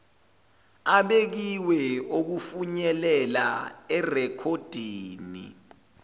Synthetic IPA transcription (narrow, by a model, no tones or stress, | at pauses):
aɓek̬iwɛok̬ufuɲɛlɛlaɛrɛkʰod̥ʱiːnḭ